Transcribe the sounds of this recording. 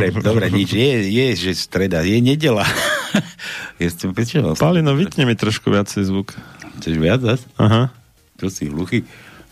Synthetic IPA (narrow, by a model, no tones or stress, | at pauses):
ɾɛd̪ɔbɾɛɲit͡ʃjɛjɛʒɛst̪ɾɛd̪ajɛɲɛɟɛla | jastɛmpɛt͡ʃɛaspalinɔʋit̪ɲɛmit̪ɾɔʃkuʋɪat͡sɛjzʋukxt͡sɛʒʋɪad͡zasaɦa | t͡ʃɔsiluxi